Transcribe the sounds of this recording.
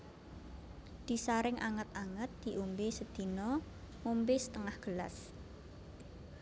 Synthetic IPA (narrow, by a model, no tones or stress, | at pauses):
d̪̥i̤saɾɪŋʔaŋət̪aŋət̪̚d̪̥i̤ʔumbesəd̪̥i̤nɔ | mumbesə̥t̪əŋahɡ̥əla̰s